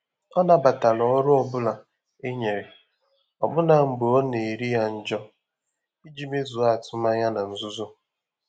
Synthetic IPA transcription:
ɔ˦na˨ba˨ta˨lɔ˨ɔ˦ɾʊ˦ɔ˦bʊ˦la˨ | e˦ɲe˨ɾe˨ | ɔ˨bʊ˦na˨m̩˨bo˨o˦ne˨ɾi˦ja˦n̩˦d͡ʒɔ˦ | i˦d͡ʒi˦me˦zu˨a˦˨tʰʊ˦ma˦ɲa˦na˨n̩˨zʊ˦zʊ˦

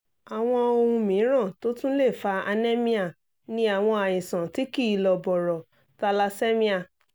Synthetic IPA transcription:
a˨w̃ɔ̃˧o˧hũ˧mĩ˨˦ɾ̃ã˦˨to˦tũ˦le˦˨fa˧a˧nɛ˦mĩ˧a˦˨ | nĩ˦a˨w̃ɔ̃˧a˨j̃ĩ˨sã˨ti˨˦ki˦˨lɔ˨bɔ˨ɾɔ˨ | ta˧la˧sɛ˦mĩ˧˦a˨

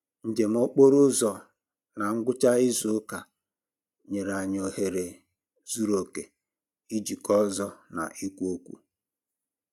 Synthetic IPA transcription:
n̩˨d͡ʒe˨m̩˦o˦k͡po˦ɾʊ˦zɔ˨ | na˨ŋ̩˦ɡʷʊ˦t͡ʃa˦ɪ˦zʊ˨˦ka˨ | ɲe˨ɾa˨ɲ˨o˨he˨ɾe˨ | zu˦ɾo˨ke˨ | i˦d͡ʒi˨kɔ˦zɔ˦na̰˨ʔi˦kʷu˦o˦kʷṵ˦

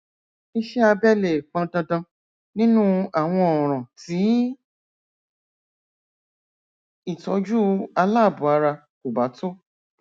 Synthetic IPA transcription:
i˦ʃɛ˦a˧bɛ˦le˨k͡pã˧dã˧dã˧ | nĩ˦nũ˦a˨w̃ɔ̃˧ɔ˨ɾ̃ã˨ti˨˦ | i˦˨tɔ˧˦d͡ʒu˦a˧la˦˨bũ˨˦a˨˧ɾa˧ | ku˨ba˨˦to˦

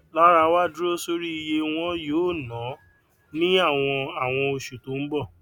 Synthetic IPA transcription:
la˦ɾa˧wa˦du˦ɾo˦so˦ɾi˦i˧je˧w̃ɔ̃˦joː˦˨nã˨˦ | nĩ˦a˦˨w̃ɔ̃˧a˦˨w̃ɔ̃˧o˧ʃu˨to˨˦m̩˦bɔ˦˨

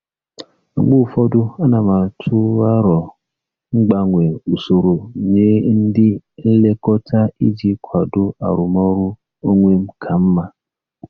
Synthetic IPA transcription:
a˨ɡ͡bu˦˨fɔ˦dʊ˦a˦na˨ma˨tʰʊ˦a˦ɾɔ˨ | ŋ͡m̩˦ɡ͡ba˨ŋʷe˨o˨so˨ɾo˨ɲe˦n̩˦dɪ˦n̩˦le˦kɔ˦tʰa˦i˦d͡ʒi˦kʷʰa˨dʊ˦a̰˨ɾʊ˨mɔ˦ɾʊ˦ | o˦ŋʷe˦m̩˦kʰa˨m̩˦ma˦

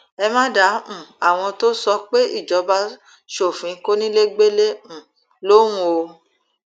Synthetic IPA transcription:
ɛ˧mã˦dã˨˦˨a˨w̃ɔ̃˧to˦sɔ˦k͡pe˦i˦˨d͡ʒɔ˨˦ba˧˦ | ʃo˦˨fĩ˨˦ko˦nĩ˦le˦ɡ͡be˦lẽ˦˨ | lõ˦ũ˦o˧

